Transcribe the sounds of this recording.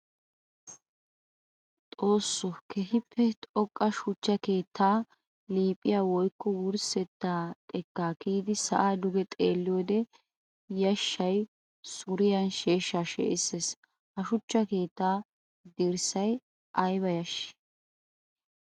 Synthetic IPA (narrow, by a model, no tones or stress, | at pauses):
t̪ʼo̞ːsːɔkɛɦɪpʰːɛt̪ʼɔkʼːɐʃʊt͡ʃːɐke̞ːt̪ʰːaː | liːpʼːɪjaːwɔjkːɔwʊɾsɛt̪ːaːt̪ʼɛkːaːkiːd̪ɪsɐ̰ʔaːd̪ʊɡɛt̪ʼeːlːɪjoːd̪ɛ | jɐʃːɐj | sʊɾɪjɐnʃe̞ːʃːaːʃḛːʔɪsːeːs | hɐʃʊt͡ʃːɐke̞ːt̪ːaː | d̪ɪɾsɐj | ʔɐjbɐjɐʃɪ̥